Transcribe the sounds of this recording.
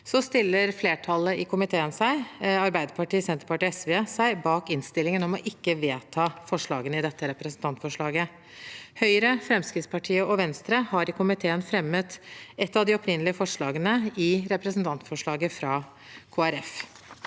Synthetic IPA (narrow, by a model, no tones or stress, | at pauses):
sɔst̪ɪlːəɾfleːʈʰɑlːəʔɪkʰʊmɪt̪ʰeːənsæɪɑɾbæɪd̪əpɑʈiːsɛnt̪əɾpɑʈiːɛsʋesæɪbɑːkɪnst̪ɪlːɪŋənɔmɔʔɪkːəʋeːt̪ʰɑːfɔʂɭɑːɡənəɪd̪ɛt̪ːəɾɛpɾəsn̩t̪ʰɑnt̪fɔʂɭɑːɡə | hœʏəɾəfɾɛmskɾɪtspʰɑʈʰiːəʔɔʋɛnst̪ɾəhɑɾɪkʰʊmɪt̪ʰeːənfɾɛmːət̪ɛt̪ːɑʋd̪ɪɔpʰɾɪnəlɪəfɔʂɭɑːɡənəɪɾɛpɾəsn̩t̪ʰɑnt̪fɔʂɭɑːɡəfɾɑː | kʰoːæɾɛf